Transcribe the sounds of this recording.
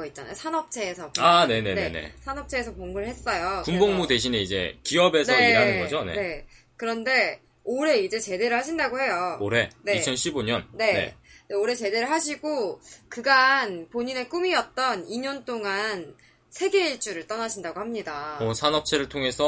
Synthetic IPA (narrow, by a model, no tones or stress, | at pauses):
ʌit̚t͡ɕ͈anajosʰanʌp̚t͡ɕʰe̞ːsʰʌane̞ne̞ne̞̰ne̞̰sʰanʌp̚t͡ɕʰe̞ːsʰʌpoŋɡɯɭhe̞s͈ʌjopunboŋmude̞ɕ̬ʰine̞id͡ʑe̞̰kiʌbe̞sʰʌiɾanɯnɡʌd͡ʑone̞̰ne̞ | kɯɾʌnde̞ | oɾe̞id͡ʑe̞t͡ɕe̞de̞ɾɯɭhaɕʰindaɡohe̞jooɾe̞ne̞it͡ɕʰʌnɕʰiboɲʌnːe̞ne̞̰deoɾe̞t͡ɕe̞de̞ɾɯɭɦaɕʰiɡokɯɡanpoɲine̞k͈umiʌt̚t͈ʌniɲʌnt͈oŋan | sʰe̞ɡe̞it͡ɕ͈uɾɯɭt͈ʌnaɕʰindaɡohamɲidaosʰanʌp̚t͡ɕʰe̞ɾɯɭtʰoŋe̞sʰʌ